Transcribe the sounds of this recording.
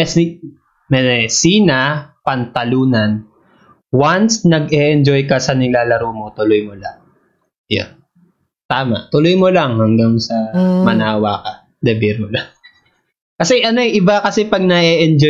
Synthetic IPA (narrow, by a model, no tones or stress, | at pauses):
ɛsi | mɛsiːnɐpɐnt̪ɐluːnɐn | wansnɐɡ̚ɛʔɛnd͡ʒo̞jkɐsɐnɪlaːlɐɾoːmot̪ʊlojmola̰ŋ | ja̰n | t̪aːma̰ʔt̪ʊlojmolɐŋhɐŋɡaŋsɐmɐnaːwaːkɐ | d̪ɛbiɾmolaŋ | kɐsɛʔɐnoʔɪbakɐsɛpɐɡ̚nɐʔɛʔɛnd͡ʒo